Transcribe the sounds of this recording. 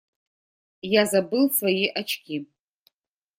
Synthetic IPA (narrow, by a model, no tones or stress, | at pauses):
jazabɨlfajiʔat͡ʃʰɡʲi